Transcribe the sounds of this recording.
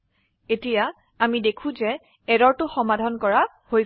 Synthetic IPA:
etija | amidekʰũzɛ | ɛɾɔɹtʊxɔmadʱɔnkɔɹa | hoj

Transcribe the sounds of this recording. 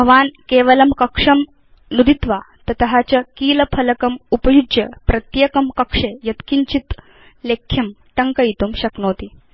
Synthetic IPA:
bʱɐʋaːnkeːʋɐlɐmkɐkʂɐm | nud̪it̪ʋa | t̪ɐt̪ɐɦat͡ɕɐkiːlɐpʰɐlɐkɐmupɐjud͡ʒjɐ̰pɾɐt̪jɐkɐmkɐkʂejɐt̪kiɲt͡ɕit̪ | lekʰːjɐm | ʈ̪ɐŋkɐit̪umɕɐknoːt̪iː

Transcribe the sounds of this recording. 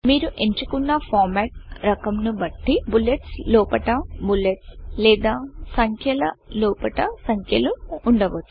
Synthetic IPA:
miːɾuʔeɲt͡ʃukunːɐpʰaːɾmɛːʈ̚ɾɐkɐmnubɐʈːibuleʈslɔːpɐʈɐbuleʈslɛːd̪aːsɐŋkʰjɐlɐlɔːpɐʈɐsɐŋkʰjɐluːɳɖɐʋɐt͡ʃːu̥

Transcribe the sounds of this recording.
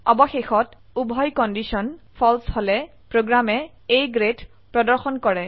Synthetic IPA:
ɔ̰bɔxexɔt | ubʱɔjkɔndisɔnpʰɔlsholɛ | pɹoɡɹamɛ | ejɡɹet | pɹɔdɔɹxɔnkɔɹɛ

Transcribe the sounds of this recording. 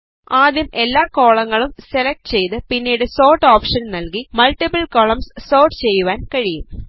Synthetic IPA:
aːd̪jɐmʔe̞lːaːko̞ːɭɐŋːɐɭumse̞lɐk̚ʈɨ̥t͡ɕe̞jt̪ɨpinːiːɽɨso̞ːrʈːoːpʂɐnnɐlkimɐlʈːipɐlkoɭɐmsso̞ːrʈɨt͡ɕe̞jːuʋaːnkɐɻijum

